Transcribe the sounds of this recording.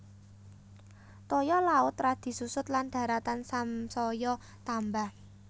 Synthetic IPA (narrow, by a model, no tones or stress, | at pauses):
t̪ɔjɔlaʊt̪ɾad̪̥i̤susʊt̪land̪̥ä̤ɾat̪ansamsɔjɔ | t̪ambah